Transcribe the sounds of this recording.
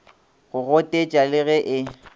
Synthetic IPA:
ɣʊɣɔtʼet͡ʃʼalɪɣɛʔɪ

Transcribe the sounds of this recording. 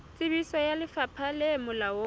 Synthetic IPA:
t͡sʼɪbisɔjalɪfapʰalɪmʊlaɔ

